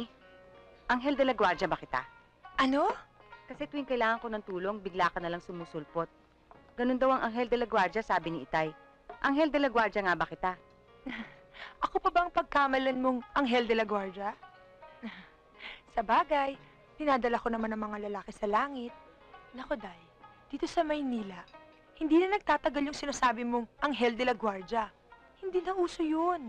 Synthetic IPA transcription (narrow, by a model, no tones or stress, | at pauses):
ʔɐŋɦɛld̪ɐlɐɡwaɾd͡ʒɐbɐkɪt̪a̰ | ʔɐno̞kɐsɛt̪uːɪŋkɐɪlaːŋɐŋko̞nɐŋt̪uːlo̞ŋbɪɡlaːkɐnɐlaŋsʊmuːsʊlpot̪̚ | ɡ̥ɐno̞nd̪ɐwɐŋʔɐŋɦɛld̪ɐlɐɡwaɾd͡ʒɐsaːbɪnɪʔɪt̪aj | ʔɐŋɦɛld̪ɛlɐɡwaɹd͡ʒɐŋabɐkɪt̪a | ʔɐkopɐbɐŋpɐɡ̚kaːmɐlɐnmoŋʔɐŋɦɛld̪ɛlɐɡwaɹd͡ʒɐ | sɐbaːɡɐj | d̪̥ɪnaːd̪ɐlako̞nɐŋmanːɐŋmɐŋalɐlaːkɪsɐlaːŋɪt̪̚ | nɐkod̪aj | d̪̥iːt̪o̞sɐmɐjniːlɐ | hɪnd̪iːnɐnɐɡ̚t̪aːt̪ɐɡaljʊŋsɪnaːsaːbɪmoŋʔɐŋɦɛld̪ɛlɐɡwaɹd͡ʒɐ | hɪnd̪iːnɐʔuːso̞jon